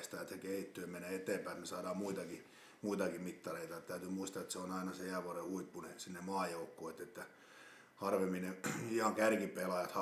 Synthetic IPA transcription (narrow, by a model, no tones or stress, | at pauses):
st̪ɑet̪sekeit̪ːøːmeneːet̪eːmpæˑit̪nesɑːdɑːmmuit̪ɑki | muit̪ɑkimit̪ːɑreit̪ɑet̪t̪æyt̪ymuist̪ɑet̪seonɑinɑseæːˑʋoɑrehuipːunesinːemɑːjoukːoet̪ːet̪ːæ | hɑrʋemineihɑŋkærkipelɑjɑt̪hɑ